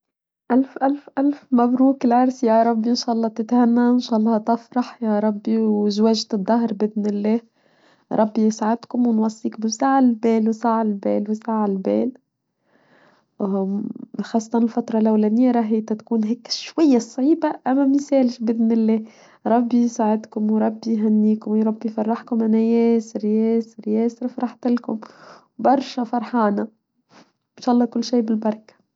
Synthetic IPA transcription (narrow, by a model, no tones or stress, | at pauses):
ʔalfʔalfʔalfmabɾuːklʕɑɾˤsjaɾˤɑbːiʔɪnʃaːʔɑlˤːɑːt̪ɪt̪hanːaʔɪnʃaːʔɑlˤːɑt̪ɪfɾˤɑħjaɾˤɑbːiwʒwaʒt̪ɨd̪ˤːɑɦɾˤbɪd̪nɪlːeː | ɾˤɑbːijɪsʕad̪kʊmwɪnwɑsˤːiːkbɪsaːʕalbeːlwsaʕɪlbeːlwsaʕɪlbḛːl | xɑːsˤːɑt̪ɑnɪlfɑt̪ɾˤɑlʔæwlænɪjːaɾˤɑːɦiːt̪æt̪kuːnɦɛːkʃwajːasˤʕiːbaʔæmːæmisɛːlʃbɪd̪nɪlːɛː | ɾˤɑbːisaʕɪd̪kʊmwɾˤɑbːiɦænːiːkʊmwɾˤɑbːifɑrˤːɑħkʊmʔanæjɛːsɪɾjɛːsɪɾjɛːsɾfɾˤɑħt̪ɪlkʊm | bɑɾˤʃafɑɾˤħɑːna | ɪnʃaːʔlˤːɑːkʊlːʃiːbɪlbɑɾˤk